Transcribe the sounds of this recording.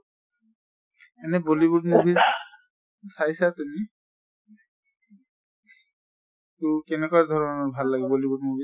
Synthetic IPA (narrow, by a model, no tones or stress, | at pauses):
ɛnɛbolibutmobʱiz | sajsatumi | tʊkɛnɛkwadʱɔɹɔnɔɹbʱalːaɡɛbolibutmobʱi